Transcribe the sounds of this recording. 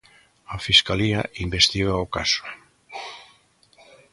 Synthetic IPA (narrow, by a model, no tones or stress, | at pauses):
afiskaliɐʔimbest̪iɣaokasʊ̥